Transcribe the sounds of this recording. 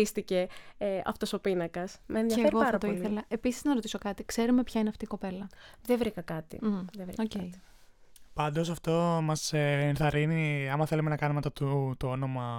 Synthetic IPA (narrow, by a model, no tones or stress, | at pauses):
ist̪ice̞ɐ̰ft̪oso̞pinɐkɐsmenðiiɐeeɣioɐɐɾɐpt̪oiliθelɐe̞pisiznɐɾo̞t̪isokɐt̪ikse̞ɾume̞pçɐineɐft̪iːko̞pe̞lɐðevɾikɐkɐt̪ḭðevɾḭocei | pɐnd̪o̞s̬ɐft̪o̞mɐseenθɐɾiniɐmɐθe̞lumenɐkɐnumeɐft̪ɐt̪ut̪oo̞no̞mɐ